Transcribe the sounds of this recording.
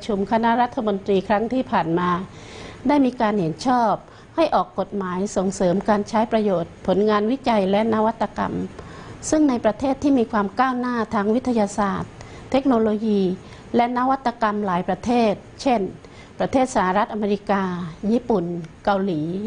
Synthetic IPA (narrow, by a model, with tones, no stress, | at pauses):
t͡ɕʰu˧mkʰa˧na˦˥ʔɾa˦˥t̪ʰːa˧mo˧nt̪ɾiː˧kʰɾa˦˥ŋt̪ʰiː˥˩pʰaː˨˩nmaː˧ | daː˥˩jmiː˧kaː˧nhe˩˦nt͡ɕʰɔː˥˩p̚ | ha˥˩jʔɔː˨˩kːo˨˩t̪̚maː˩˦jso˨˩˦ŋsɤː˩˦mkaː˧nt͡ɕʰa˦˥jpɾa˧joː˨˩t̪̚pʰo˩˦nŋaː˧nwi˦˥t͡ɕa˧jlɛ˦˥ʔna˦˥wa˦˥t̪ʰːa˧ka̰˧msɯ˥˩ŋna˧jpɾa˧t̪ʰeː˥˩t̪ʰːiː˥˩miː˧kʰwaː˧mkaː˥˩wnaː˥˩t̪ʰaː˧ŋwi˦˥t̪ʰa˧jaː˧saː˨˩t̪ʰː | e˦˥k̚noː˧loː˧jiː˧ | lɛ˦˥na˦˥wa˦˥t̪ʰːa˧ka˧mlaː˨˩˦jpɾa˧t̪ʰeː˥˩t̪̚t͡ɕʰe˥˩n | pɾa˧t̪ʰeː˥˩t̪̚sa˧˩a˧ɾa˦˥t̪̚ʔa˧meː˧ɾi˦˥kaː˧jiː˧˩pu˨˩nka˧wliː˩˦